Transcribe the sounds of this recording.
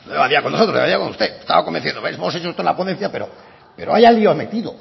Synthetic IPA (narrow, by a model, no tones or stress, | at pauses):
noeβaðiakonːoot̪oeaðiakonṵst̪eest̪a̰βakombenθjend̪oejsemoset͡ʃoest̪oenlapoðen̟θjape̞ɾo̰ | peɾoajalioamḛt̪iðo